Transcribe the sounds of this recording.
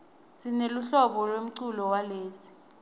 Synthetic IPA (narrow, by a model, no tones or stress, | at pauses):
sineluɬɔɓɔlwem̩ǀulɔwaleːsi̥